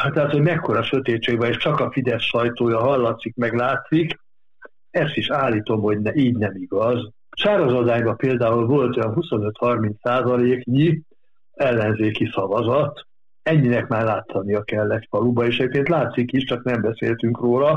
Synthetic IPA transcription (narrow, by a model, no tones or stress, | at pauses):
ht̪ɛɦat̪ho̞ɟmɛkːo̞ɾɒʃøt̪eːt̪t͡ʃːeːɡbɛneːʃt͡ʃɒkɒfid̪ɛsʃɒjt̪oːjɒɦɒlːɒt̪sikmɛɡlaːt̪sik | ɛst̪iʃaːlːiːt̪o̞mho̞ɟnɛiːɟnɛmiɡɒz | ʃaːɾozɒd̪aːɲbɒpeːld̪aːulvo̞lt̪ojɒnɦuso̞nøt̪hɒrmint̪saːzɒleːkɲi | ɛlːɛnzeːkisɒvɒzɒt̪ | ɛɲːinɛkmaːrlaːt̪ʰːɒnijɒkɛlːɛt̪fɒlubɒeːʃɛepkeːnt̪laːt̪sikiʃt͡ʃɒknɛmbɛsḛːlt̪yŋkroːlɒ